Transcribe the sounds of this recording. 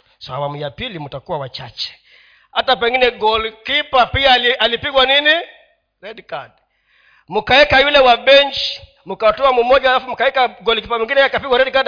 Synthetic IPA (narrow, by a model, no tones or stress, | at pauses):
saa̰wamujapilimutakuwawat͡ʃat͡ʃɛ̥ | hatap̬ɛŋɡinɛɡɔlkipapialialipiɡwanini | ɾɛdkad | mukaɛkajulɛwabɛɲt͡ʃi̥ | mukatɔamumɔd͡ʒaːlafumukaɛkaɡɔlk̬ipamiŋɡinɛjakapiɡwaɾɛdkad